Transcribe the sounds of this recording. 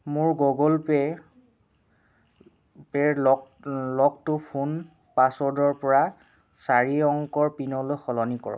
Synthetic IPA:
mʊɹɡɔɡɔlpɛ | pɛɹɔ | lɔk̚tʊpʰun | pasɔdɔɹpɔɹa | saɹiɔŋkɔɹpinɔlojxɔlɔnikɔ̰ɹɔ̰

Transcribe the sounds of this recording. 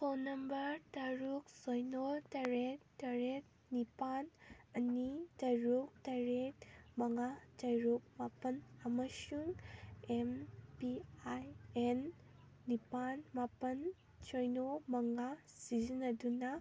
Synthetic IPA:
pʰonɐmbɐɾtaɾuk̚sojnotɐɾettːɐɾet̚ | nipanɐnitɐjɾuk̚tɐɾet̚mɐŋatɐjɾuk̚mapɐnɐmɐsuŋempiajenː | ipanmapɐn | sojnomɐŋa | sizinɐdunɐ

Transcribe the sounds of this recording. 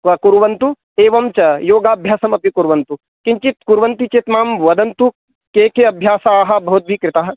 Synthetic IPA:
ʋɐkuɾʋɐnt̪u | eːʋɐmt͡ʃɐjoːɡaːbʱjaːsɐmɐpikuɾʋɐnt̪u | kiɲt͡ʃit̪̚kuɾʋɐnt̪it͡ʃet̪maːmʋɐd̪ɐnt̪u | keːkeɐbʱjaːsɐaːɦɐbɐɦut̪̚bʱikɾɪt̪aːɦɐ̆

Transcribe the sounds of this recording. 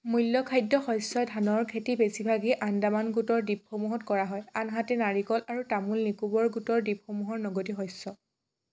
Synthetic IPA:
mujlːɔkʰajdːɔxɔjsɔdʱanɔɹkʰetibesibʱaɡiʔandamanɡutɔɹdip̚xɔmuɦɔtkɔɹaɦɔjanɦatɛnaɹikɔlʔaɹutamulnikubɔɹɡutɔɹdip̚xɔmuɦɔɹnɔɡotixɔjsːɔ

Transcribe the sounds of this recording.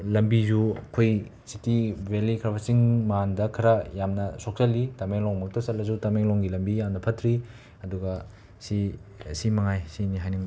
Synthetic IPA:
lɐmbizukʰojsitibelikʰɾabasiŋmandɐkʰɐɾɐjamnɐsok̚sɐlːitameŋlɔŋmuktʰɐsɐlːɐzutameŋlɔŋɡilɐmbijamnɐpʰɐtʰɾi | ɐduɡɐ | sisimɐŋajsiniɦajniŋ

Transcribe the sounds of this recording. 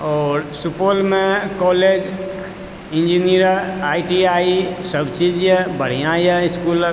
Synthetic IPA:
ɔːɾsupoːlmẽkɔled͡ʒ | ɪ̃nd͡ʒiniəɾaːiʈiaisəbt͡ʃid͡ʒɛbəɽ̤ijãjeɪskuːl

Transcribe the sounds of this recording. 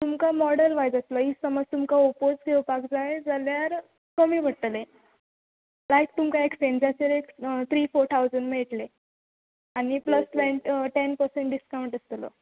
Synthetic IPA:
t̪umkamɔɽəlʋajd͡zəsləisəməd͡zt̪umkaopod͡zkʰewpakd͡zajed͡zaljaɾ | kəmiːʋʱəɽʈle | lajkt̪umkaeksend͡zaseɾekt̪ʰɾiːfoɾt̪ʰawd͡zəɳɖm̤eɭʈle | anipləsʋẽnʈʈenpəɾseɳʈɖiskawɳʈəst̪lɔ̰

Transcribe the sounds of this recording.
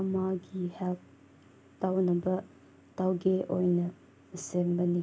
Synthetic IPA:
ɐmaɡihɛp̚ | tawnɐbɐ | tawɡeʔojnɐ | sembɐni

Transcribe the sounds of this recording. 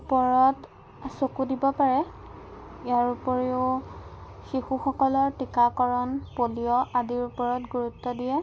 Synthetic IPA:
pɔɹɔt | sokudibɔpaɹɛ | ijaɹupɔɹeʊ | xixuxɔkɔlɔɹtikakɔɹɔnpolijɔʔadiɹupɔɹɔtɡuɹutːɔdijɛ

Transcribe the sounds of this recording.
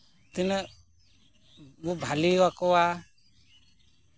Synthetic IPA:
t̪inə | bubʱaliwakɔwa

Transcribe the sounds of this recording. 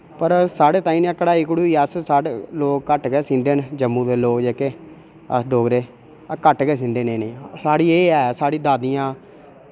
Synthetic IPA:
pəɾsaːɽeːt̪aːĩːnãːkəɽaːiːkɽuːiːəssaʈloːkkəʈɡɛːsĩːnd̪eːnd͡ʒəmːũːd̪eːloːkd͡ʒeːkeː | ə̰sɖoːɡɾeː | kəʈɡɛːsĩːnd̪eːneːneːsaːɽiːeːɛːsaːɽiːd̪aːd̪ijãː

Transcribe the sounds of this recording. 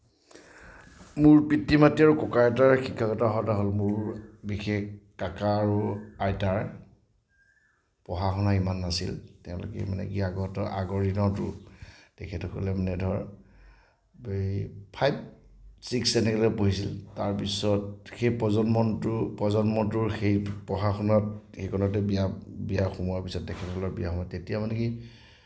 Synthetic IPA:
mʊɹpɹitːimatiaɹukɔkataɹxikʰːakɔtaɦɔtaɦolmʊɹbixekkːakaːɹuajtaɹ | pɔɦaxʰɔnaimanːasḭltɛʊ̃lɔ̰kɛ̰manɛ̰kiaɡɔtɔʔaɡɔɹinɔtʊ̰tɛkʰɛtɔkʰɔ̰lɛmanɛdʱɔɹ | bpʰajb̚ | siksɛnɛkɛlɔpoɦisiltaɹpisɔtxejpɔzɔnmɔntʊpɹɔzɔnmɔtʊɹxejpɔɦaxɔnɔtxekɔnɔtɛbiabijaxumɔjaɹpisɔtdɛkʰɛtɔkɔlɔbijaxɔmɔtetijamanɛki

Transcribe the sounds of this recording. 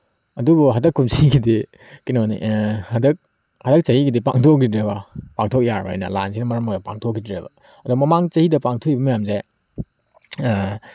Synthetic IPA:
ɐdubuɦɐdɐkʰːumsiɡidi | kinonḭʔhɐdɐk̚ | hɐdɐk̚t͡ʃɐhiɡidipaŋtʰok̚ːidɾebɐpaŋtʰok̚jaɾbɐ̰a̰jnɐ̰la̰nsinɐmɐɾɐmojɐpa̰ŋtʰokːidɾebɐ̰ | ɐduɡmɐmaŋt͡ʃɐhidɐpaŋtʰokibɐmɐjamze

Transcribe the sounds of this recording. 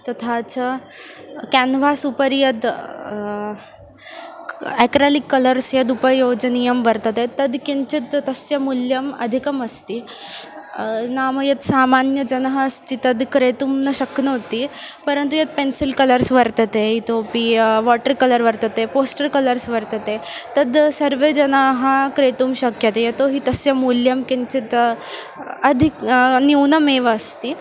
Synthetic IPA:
t̪ɐt̪ʰat͡sə | kɛnʋasupəɾjəd̪ | ɛkɾalikːələɾsjəd̪upəjod͡ʑnijəmbəɾt̪ət̪et̪ɐd̪kiɲt͡ɕit̪ːəsjəmuljəmɐ̰d̪ʱikəməst̪i | naməjət̪samanjəd͡ʑənɦəːst̪it̪ɐd̪kɾet̪umnəɕəknəɦot̪ipəɾənt̪ujet̪̚pensilkələɾsʋəɾt̪ət̪eɦit̪opiʋɔʈəɾkələɾʋəɾt̪ət̪eposʈəɾkələɾsʋəɾt̪ət̪et̪əd̪səɾʋed͡ʑənaɦãkɾet̪uːmɕəkjət̪ejet̪oɦiːt̪əsjəmuljəmkeɲt͡ɕit̪ | əd̪ʱikniwnəmeʋəːst̪i

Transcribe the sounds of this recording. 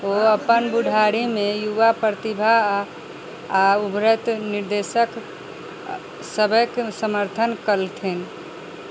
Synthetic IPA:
oəpənbuɖʱaɾimejuʋapɾɾət̪ibʱa | aubɾət̪niɾd̪esək | səbəksəməɾt̪ʰənkəlt̪ʰin

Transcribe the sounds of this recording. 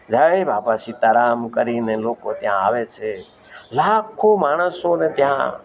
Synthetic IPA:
d͡ʒaebapat͡ʃʰit̪əɾamkəɾinelokot̪jã̰aʋet͡ʃʰe | lakʰomaːɽ̃əsonet̪jã

